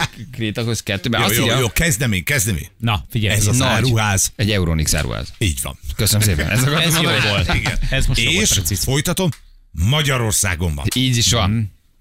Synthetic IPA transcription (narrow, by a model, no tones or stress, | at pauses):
kreːt̪ɒkoskɛt̪ːøːbɛjsjoijoːkɛzd̪ɛmeːŋkɛzd̪ɛmḛːnnɒfiɟɛɛzɒzaɾuɦaːz̥ɛɟɛuɾoniksa̰ːɾʔṵha̰ːziːɟvɒ̰nkøsənəmseːpɛ̰nʔɛzɒkɒooolt̪iɡɛ̰nɛzmoeːʃifo̞jt̪ɒt̪o̞mː | ɒɟɒɾo̞rsa̰ːɡo̞mbɒ̰niːɟiʃʋɒn